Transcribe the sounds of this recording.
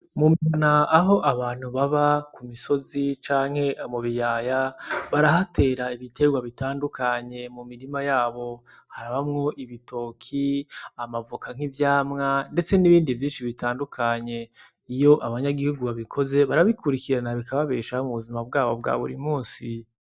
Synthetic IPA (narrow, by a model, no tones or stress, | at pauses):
mumiβanaːɦo̞ʔaβaːn̥huβaβakumiso̞zit͡ʃaːŋ̥he̞ʔamuβijaːjaβaɾaɦate̞ːɾaiβitʰe̞ɡwaβitaːndukʰaɲe̞mumiɾimajaːβo̞ | haɾaβamŋo̞ʔiβitʰo̞ːkʰiamavukaŋ̥hivjaːmŋande̞t͡se̞niβiːndivjiːnʃiβitaːndukʰaɲe̞ | ijo̞ʔaβaɲaɡihuɡuβaβikʰo̞ze̞βaɾaβikuɾikiɾanaβikʰaβaβeːʃaomuβuzimab̚ɡaːβo̞bɡa̰βṵɾimuːnsi